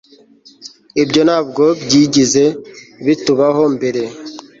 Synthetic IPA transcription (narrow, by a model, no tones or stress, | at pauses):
ibɟo̞naːbɡobɟiːɟizeβituβaɦombeɾe